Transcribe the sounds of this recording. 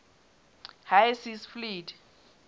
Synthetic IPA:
hajsisflid

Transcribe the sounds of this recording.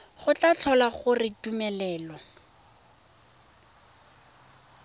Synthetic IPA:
χʊt͡ɬat͡ɬʰɔlaχʊrɪtumɛlɛːlɔ

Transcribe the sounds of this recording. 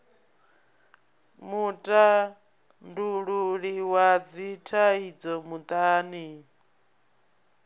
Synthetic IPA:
mutʼa | nduɺuɺiwad͡zitʰaid͡zɔmut̪ʼaːni

